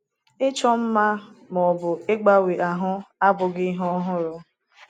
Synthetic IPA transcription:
ɪ˦t͡ʃɔ˦m̩˦ma˦mɔ˨bʊ˨e˦ɡ͡ba˦we˨ʔa˨ɦʊ˦a˦bʊ˨ɡɪ˦ɦɔ˦ɦʊ˦ɾʊ˦

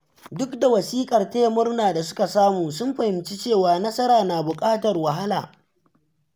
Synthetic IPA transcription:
dʊ˦kda˨wɐ˨siː˦kʼɐ˨rta˦ja˦mʊ˦rnaː˨da˨sʊ̥˦ka˨saː˦muː˨sʊ˦mɸɐ˨hɪ˨mt͡ʃi˦t͡ʃeː˦˨waː˨nɐ˦sɐ˦ɾaː˨na˨bʊ˨kʼaː˦tɐ˨rwɐ˨ɦa˦la̰ː˨

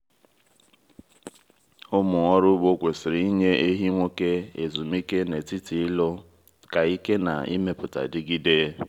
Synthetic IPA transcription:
ʊ˦mʊ˨ŋɔ˦ɾʊ˦bo˦kʷe˨sɪ˨ɾi˨i˦ɲe˦e˦ɦi˦ŋʷo˦ke˦ḛ˨zu˨mi˦ke˦ne˨ti˦ti˨ɪ˦lo˦ | ka˨i˦ke˦na̰˨ḭ˦me˦pʊ˨ta̰˨dɪ˦ɡi˦deː˦

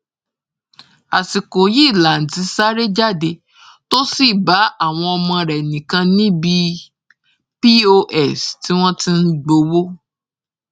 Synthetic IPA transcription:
a˨si˨ko˨ji˦˨la˨n̩˨tĩ˨˦sa˦ɾe˦d͡ʒa˦˨de˧ | to˦si˦˨ba˨˦a˦˨w̃ɔ̃˧ɔ˧mɔ̃˧ɾɛ˨nĩ˨kã˧nĩ˦bi˧ | pi˦o˧ʔɛ˦˨sti˨˦w̃ɔ̃˦ti˦n̩˦ɡ͡bo˧wo˦

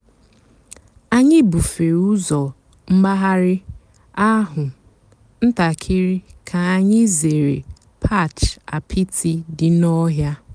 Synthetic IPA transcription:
a˦ɲɪ˦bu˨fe˨u˦zɔ˨ | m̩˦ɡ͡ba˦ɦa˦ɾɪ˦ | a˦ɦʊ˨ | n̩˦ta˨kʰɪ˦ɾɪ˦kʰa˨a˨ɲɪ˦ze˨ɾḛ˨ | pʰa˦˨t͡ʃa̰˨pʰi˦tʰi˦dɪ˨nɔ˦ɦja˦

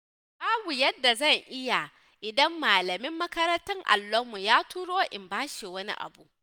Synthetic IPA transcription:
baː˦bu˨jɐ˦dːa˨zɐ˦˨ŋʔɪ˦ja˨ | ʔɪ˨dɐ˦mːaː˨lɐ˨mɪ˦mːɐ˦kɐ˦ɾɐ˦ntɐ˦ŋʔa̰˨lːo˦mu˨jaː˦tuː˦ɽoː˦ʔɪ˨mbaː˦ʃi˨wɐ˦nḭ˦ʔa̰˨bu˨ʔ

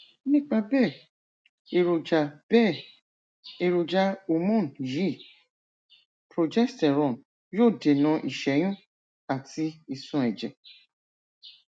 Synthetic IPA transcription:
nĩ˦˨k͡pa˧bɛ˦˨ | e˨ɾo˨d͡ʒa˧ɛ˦˨ | e˧ɾo˨d͡ʒa˧o˨mɔ̃˦˨nji˦˨ | pɾo˨d͡ʒɛ˦stɛ˨ɾɔ̃˨n | joː˦˨de˨nã˧ʔi˨ʃɛ˨˦j̃ũ˦ | a˨ti˧i˧sũ˨˧˨ɛ˨d͡ʒɛ˨

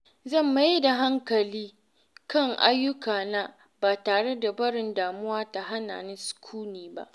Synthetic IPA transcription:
zɐ˦˨mːa˨ji˦da˨ɦa˦ŋkɐ˨liː˦ | kɐ˦˨ŋʔa̰˦jːʊ˦kaː˨na˦ | baː˨taː˨ɽe˦da˨bɐ˦ɽɪ˨ndaː˨mʊ˦waː˦ta˨ɦa˦na̰ː˨nɪ˦nsʊ̥˨kʷʰuː˦niː˨ba̰˦ʔ

